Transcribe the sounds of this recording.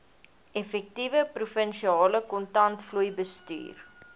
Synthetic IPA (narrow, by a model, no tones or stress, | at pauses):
ɛfɛk̚tivəprufənʃiɑːləkɔntɐntflujbəsty̰ːr